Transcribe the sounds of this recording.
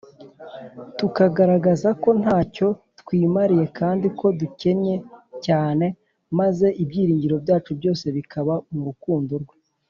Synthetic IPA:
tukaɡaɾaɡazako̞n̥haːco̞tkwiːmaɾije̞kaːndiko̞duce̞ɲe̞caːne̞ | maze̞ʔibjiːɾiːɲɟiɾo̞bjaːt͡ʃubjo̞ːse̞βikʰaβamuɾukuːndoɾɡwe

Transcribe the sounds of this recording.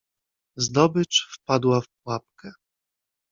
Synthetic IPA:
zd̪ɔbɘt͡ʂfpad̪wafp̚wap̚kɛ

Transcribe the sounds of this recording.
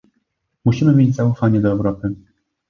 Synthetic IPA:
muɕimɘmʲjed͡ʑʲzaufaɲɛd̪ɔɛwɾɔpɘ

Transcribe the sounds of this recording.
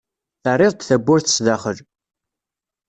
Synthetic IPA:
θərˤːɪðˤd̪θæbːʊɾθə̥sðaχəl

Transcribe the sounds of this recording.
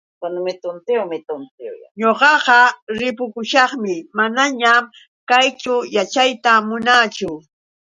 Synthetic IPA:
kanʊmɪt̪ʊnt̪ewmɪt̪ʊnt̪ɪwja̰ɲoɢɑɢɑɾɪpʊkʊʃɑχmɪmanaɲam | kajt͡ʃʊjat͡ʃajt̪amʊnat͡ʃʊ

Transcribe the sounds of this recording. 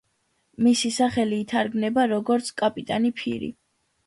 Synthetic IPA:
misisaχɛliːt̪ʰaɾɡnɛbaɾɔɡɔɾt̪sʰkʼapʼit̪ʼanipʰḭɾḭ

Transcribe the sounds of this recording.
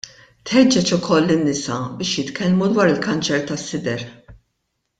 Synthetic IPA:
t̪ħɛd͡ʒːɛt͡ʃʊkʰɔlːɪnːɪsɐbɪːʃjɪt̪kʰɛlmud̪wɐːɾɪlkɐnt͡ʃɛɾt̪ɐsːɪd̪ɛɾ

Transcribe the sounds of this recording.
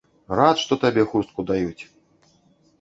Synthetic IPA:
rat̪ʂt̪ɔt̪abʲɛxust̪̚kud̪ajut͡sʲ

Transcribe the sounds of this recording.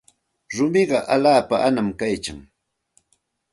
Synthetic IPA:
ɾʊmɪɢɑʔalaːpaʔanamkajt͡ʃa̰ŋ

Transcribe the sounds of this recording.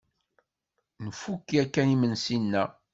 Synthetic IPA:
nəfukːiækːænimənsinːæ

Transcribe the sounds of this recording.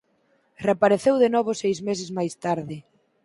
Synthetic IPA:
repaɾeθewðenɔβ̞ʊsejzmesɪzmajst̪aɾðɪ

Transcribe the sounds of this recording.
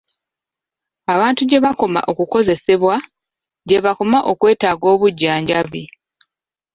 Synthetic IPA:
aβaːntuɟe̞βako̞ma̰ʔo̞kuko̞ze̞se̞βwa | ɟe̞βako̞maʔo̞kwe̞ːtaːɡo̞ːβuɟːaːɲɟaβi

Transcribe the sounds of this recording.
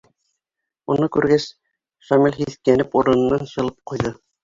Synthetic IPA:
unɤkʉɾɡæs | ʃɑmilʲɦiθkænɘpuɾɤ̆nɤ̆nːɑnɕɤ̆lˠɤp̚qŭjðɤ

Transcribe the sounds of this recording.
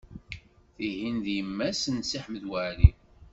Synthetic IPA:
θiɦinðjəmːæsənsiħməðwæɾi

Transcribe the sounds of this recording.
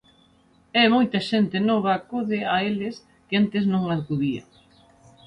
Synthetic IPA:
ɛmojt̪ɐʃent̪ɪnɔβ̞ɐːkoðɪaelɪs | kɪant̪ɪznõŋlaðkuðiɐ̰

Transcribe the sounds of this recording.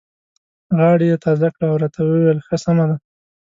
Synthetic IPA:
ɣɑɽijet̪ɑzakɽaːwɾɑt̪ʰawəwelxəsamad̪a

